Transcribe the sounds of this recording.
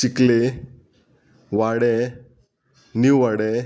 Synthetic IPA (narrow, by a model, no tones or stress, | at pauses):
t͡ɕikle | ʋaɽɛ | niʋaɽɛ